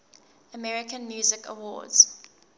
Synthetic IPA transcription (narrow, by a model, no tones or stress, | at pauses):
əmɛɹɪkə̃nmjuːzɪkə̰wɔ̰ːdz̥